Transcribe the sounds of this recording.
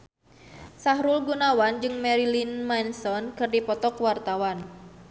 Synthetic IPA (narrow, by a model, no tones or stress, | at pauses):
saɦɾulɡunawand͡ʒɨŋmɛɾilinmansɔnkɨrdipɔt̪ɔkwart̪awan